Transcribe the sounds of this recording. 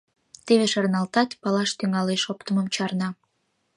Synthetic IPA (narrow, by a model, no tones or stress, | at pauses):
t̪eβeʃɑrnɑlt̪ɑt̪ʲpɑlɑʃt̪yŋɑleʃopt̪əmə̆mt͡ɕɑrnɑ